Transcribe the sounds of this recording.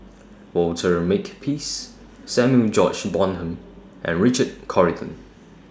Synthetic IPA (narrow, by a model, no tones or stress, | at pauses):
wɔltʰəɹmekpʰis | sɛmjuld͡ʒɔt͡ʃbɔ̃nɦə̃m | ʔɛ̰̃nɹɪt͡ʃəd̚kʰɔɹitʰə̰̃n